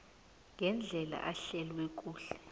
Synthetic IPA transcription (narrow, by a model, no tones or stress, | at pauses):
ŋʱɛnd͡ɮʱɛla̰ʔaɬɛlwɛk̬ʼuːɬɛ̥